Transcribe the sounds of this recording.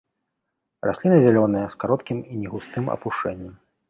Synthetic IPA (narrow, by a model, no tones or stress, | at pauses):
rasʲlʲinɨzʲalʲɔnɨjɐskaɾɔt̪kʲiminʲɛɣust̪ɨmɐ̰puʂt͡ʂɛnʲːɛm